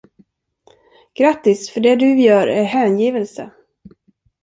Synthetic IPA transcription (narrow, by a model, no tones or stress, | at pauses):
ɡ̥ɾat̪ːɪsfœɖɛd̪ɵjœːɾæɾɦæːnjiːvəlsə